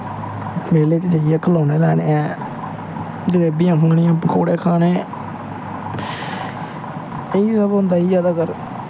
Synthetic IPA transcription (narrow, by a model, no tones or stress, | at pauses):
meːleːt͡ʃd͡ʒaːɪjɛːkʰəlaːneːlɛːɽeːɛ̃ː | d͡ʒəɾeːbɪjãːkʰʊŋɡɳɪ̃jãːpkʰoːɽeːkʰaːneː | eiːsaːbɦʊ̃nd̪aːiːd͡ʒaːd̪aːkəɾ